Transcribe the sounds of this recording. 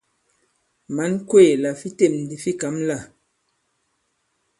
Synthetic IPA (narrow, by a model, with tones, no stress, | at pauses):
ma˨˦nkwe˦˨la˨fi˦te˦˨mn˨di˨fi˦ka˨˦mla˦˨